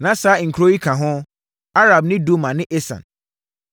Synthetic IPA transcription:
nã˨saː˨˦˨ŋ̩˨kʰɾo˦i˦kʰã˨ɦʊ̃˦ | a˦ɾa˨b̚nɪ̃˦do˦mã˨nɪ̃˦ʔe˦sã̰˨n

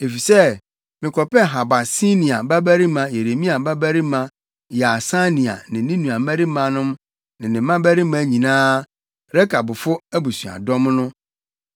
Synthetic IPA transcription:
e˨fi˨sɛ˦ | mɪ̃˨kʰɔ˨pɛ˦ɦa˨ba˨si˦nĩ˨a˨ba˦bæ˦ɾi˦mã˨je˨ɾe˨mĩ˦a˨ba˦bæ˦ɾi˦mã˦ | ja˨sa˦nĩ˨a̰˨nɪ̃˨nĩ˦nũ˨a˨mæ̃˦ɾi˦mã˨nʊ̃˦m | nɪ̃˨nɪ̃˨mã˦bæ˦ɾi˦mã˦ɲĩ˨nãː˦ | ɾɛ˦kʰa˨bʊ˨fʊ˦æ˦bu˨su˨a̰˨dɔ̃˦m˦nʊ̃˦

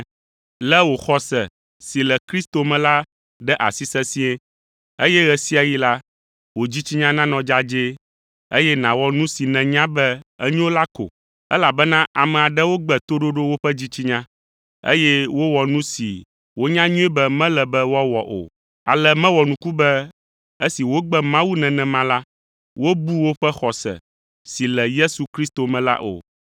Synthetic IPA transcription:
lɛ˦wo˨xɔ˦sɛ˨ | si˨lɛ˨kɾi˦st̪o˨mɛ̃˨la˦ | ɖɛ˦ʔa̰˨si˦sɛ˦si˦ɛ˦ | e˦jɛ˦ɣɛ˦si˦a˨ji˦la˦ | wo˨d͡ʑi˦t͡ɕi˦ɲã˦nã˦nɔ̃˨d͡ʒa˦d͡ʒe˦ | ḛ˦jɛ˦nã˨wɔ˦nũ˦si˨nɛ̃˨ɲã˦bɛ˦ə˦ɲĩ˦wo˦la˦ko̰˨ | ɛ̰˦la˨bɛ˦nã˦ʔa˨mɛ̃˨a˨ɖɛ˦wo˦ɡ͡bɛ˨t̪o˦ɖo˦ɖo˦wo˦ɸɛ˦d͡ʑi˦t͡ɕi˦ɲã˦ | ḛ˦jɛ˦wo˦wɔ˨nũ˦sḭ˨ | wo˦ɲã˦ɲũ˦ɛ˦bɛ˦mɛ̃˦lɛ˨bɛ˦wɔ˦wɔ˨ʔo̰˨ | a̰˨lɛ˦mɛ̃˦wɔ˨nũ˦ku˦bɛ˦ | e˦si˨wo˦ɡ͡bɛ˦mã˦wu˦nɛ̃˨nɛ̃˨mã˦la˦ | wo˦bu˦wo˦ɸɛ˦xɔ˨sɛ̰˨ | si˨lɛ˨je˦su˨kɾi˦st̪o˨mɛ̃˨la̰˦ʔo̰˨

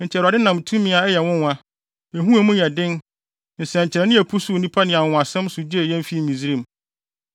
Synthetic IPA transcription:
nɲ̩˨t͡ɕʰɛ˨a˨dɪ˦nã˨mtʰũ˦mɪ̃˨a˨ɛ˦jɛ˨wʊ̃˦nã˦ | e˨ɦũ˦a˨mʊ̃˦jɛ˨dɪ̃˦n | n̩˨sɛ˨ɲ̩˨t͡ɕʰɪ˨ɾɛ˨nɪ̃˦æ˨pʰu˦su˦˨nĩ˦pʰa˦nɪ̃˨a˨wʊ̃˨a˨sɛ̃˦msʊ˨d͡ʑe˦˨jɛ̃˦m˦fi˦mĩ˨zi˦ɾĩ˦m

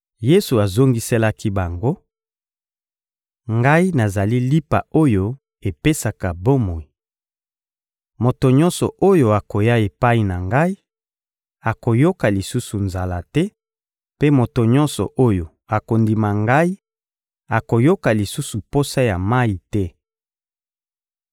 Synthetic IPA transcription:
je˦su˨a˨zo˦ŋɡi˦sɛ˦la˦ki˦ba˨ŋɡo˦ | ŋɡa˦i˦na˨za˨li˦li˦pa̰˨o˦jo˦ | e˨pe˦sa˨ka˨bo˦mo˨i˨ | mo˨to˨ɲɔ̃˦nsɔ̰˨ʔo˦jo˨a˨ko˨ja˦e˨pa˦i˨na˨ŋɡa˦i˦ | a˨ko˨jo˦ka˨li˨su˦su˨nza˨la˦tɛ˦ | pe˦mo˨to˨ɲɔ˦nsɔ̰˨ʔo˦jo˨ | a˨ko˨ndi˨ma˨ŋɡa˦i˦ | a˨ko˨jo˦ka˨li˨su˦su˨po˦sa˦ja˨ma˦i˨tɛ˦

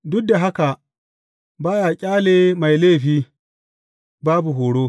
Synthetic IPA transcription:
dʊ˦k̚da˨ɦa˦ka˨ | baː˦jaː˨kʲʼaː˦leː˨ma˨jleː˦˨ɸiː˦ | baː˦bu˨ɦoː˨ɽoː˦

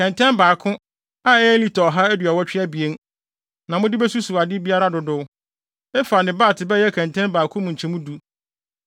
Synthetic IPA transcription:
kʰɛ̃˨ntʰɛ̃˦mbaː˨kʰʊ̃˦ | a˦ɛ˦li˦tʰɔ˨ɦa˦æ˦dɥa˨wɔ˦t͡ɕᶣɪ˦a˦bi˨e˦n | nã˨mʊ̃˦dɪ˦bɛ˦su˦su˨a˨dɪ˦bi˦a˦ɾa˦dʊ˨dʊ˦w | ɛ˦fa˨nɪ̃˨baː˦˨tʰɪ˨bɛ˦jɛ˦kʰɛ̃˨ntʰɛ̃˦nbaː˨kʰʊ̃˦mũ˨ɲ̩˨t͡ɕʰɛ̃˦mũ˦du˦

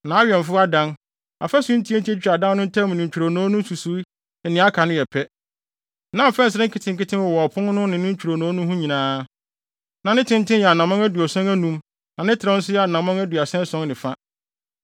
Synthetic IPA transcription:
nã˨a˦ɥɛ˨ɱ˨fʊ˦a˦dã˦n | a̰˨fɛ˦sũ˦n̩˦tʰi˦ɛ˦n̩˦ti˦ɛ˦t͡ɕᶣa˨dã˦n˦nʊ̃˦n̩˦tʰɛ̃˦m˨nɪ̃˨t͡ɕᶣu˨ɾo˨nɔ̃ː˨˦nʊ̃˦su˨su˨˦˨ | nɪ̃˨˦a˦kʰa˨nʊ̃˦jɛ˨pʰɛ˦ | nã˨m˨fɛ̃˦n˨s̬ɪ˦ɾɪ̃˦ŋ˦kʰɪ˦tʰɪ̃˨ŋkɪ˦tʰɪ̃˦nwɔ˨wɔ˨ɔ˨pʰʊ̃˦n˦nʊ̃˦nɪ̃˨nɪ̃˦ɲ̩˦t͡ɕᶣu˨ɾo˨nõː˨˦nʊ̃˦ɦũ˦ɲĩ˨nãː˨˦ | nã˨nɪ̃˦tʰɪ̃˦n˦tʰɪ̃˦jɛ˨a˨nã˨mã˦ŋæ˦du˨ɔ˨sɛ̃˦næ˦nũ˦m | nã˨nɪ̃˦tʰɪ˨ɾã˦n̩˦sʊ˦jɛ˦a˨nã˨mã˦ŋæ˦du˨a˨sɛ̃˦n˦sɔ̃˦ŋnɪ̃˨fa˦

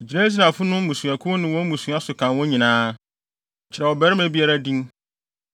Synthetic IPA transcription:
d͡ʑi˨nɛ̃˦s̬i˦nã˨fʊ˦nʊ̃˦m̩˦mũ˨sũ˨a˨kʰʊ˦nɪ̃˨wɔ̃˦mũ˨sũ˨a˦sʊ˨kʰã˨nwɔ̃˦ɲĩ˨nãː˦˨ | t͡ɕʰɪ˨ɾɛ˨wɔ˨bɛ˦ɾɪ˦mæ˨bi˦a˦ɾa˦dĩ˦n

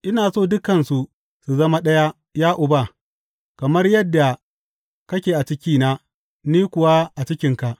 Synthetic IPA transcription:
ʔɪ˦naː˨soː˦˨dʊ˦kɐ˨nsu˨ | su˨zɐ˦ma˦ɗɐ˦ja˦ | jaː˦ʔʊ˨ba˦˨ | kɐ˨mɐ˦rjɐ˦dːa˨ | kɐ˦kʲeː˨ʔa˨t͡ʃɪ˦kʲiː˦na˦ | niː˦kʷʊ˨wa˦ʔa˨t͡ʃɪ˦kʲɪ˦ŋka˨ʔ

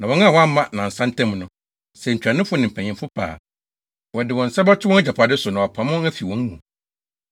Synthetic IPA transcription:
nã˨wɔ̃˨ŋã˦˨wɔ˦a˦mã˨nã˨n̩˨sã˦n˦tʰɛ̃˦m˨nʊ̃˨ | sɛ˨ɲ̩˨t͡ɕᶣa˨nɪ̃˦fʊ˦nɪ̃˨m̩˨pʰɛ̃˨ɲɪ̃˨m˦fʊ˦pʰa̰ː˨ | wɔ˨dɪ˨wɔ̃˨n̩˨sɛ˦bɔ˦tʰɪ˦wɔ̃˦ɛ˦d͡ʑa˨pʰa˨dɪ˦sʊ˨nã˨ɔ˨pʰã˨mʊ̃˦æ˦fi˨wɔ̃˨˦ŋ˦mũ˨

